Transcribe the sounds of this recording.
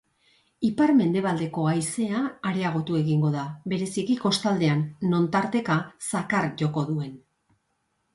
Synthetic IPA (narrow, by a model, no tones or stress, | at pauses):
ipaɾme̞nd̪e̞β̞ald̪e̞ko̞ajse̞aːɾe̞aɣ̞o̞t̪ue̞ɣiŋɡo̞ðaβe̞ɾe̞sikiko̞st̪ald̪e̞anːo̞nt̪aɾt̪e̞kasakaɾʝo̞ko̞ðue̞n